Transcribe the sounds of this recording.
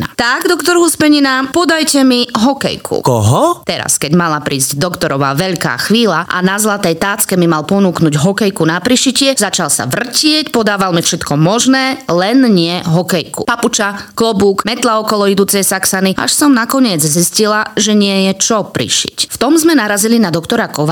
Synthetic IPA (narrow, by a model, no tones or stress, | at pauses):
na̰t̪aɡd̪ɔkt̪ɔɾɦuspɛɲinapɔd̪ajcɛmiɦɔkɛ̰jkʰṵkɔ̰ɦɔt̪ɛɾa̰skɛɟmalapɾiːzɟd̪ɔkt̪ɔɾɔʋa̰ːʋɛʎka̰ːxʋiːlaʔa̰nazlat̪ɛjt̪aːt͡skɛmimalpɔnuːknuɟɦɔkɛjkunapɾiʃicɪɛzat͡ʃalsa̰ʋr̩cɪɛcpɔd̪aːʋalmifʃɛt̪kɔmɔʒnɛːlɛnɲɪɛɦɔkɛjkṵpaput͡ʃaklɔbuːkmɛt̪laɔkɔlɔid̪uːt͡sɛjsaksaniʔa̰ʃsɔmnakɔɲɪɛd͡zziscilaʒɛɲɪɛjɛt͡ʃɔpɾḭʃḭcft̪ɔmzmɛnaɾazilinad̪ɔkt̪ɔɾakɔʋa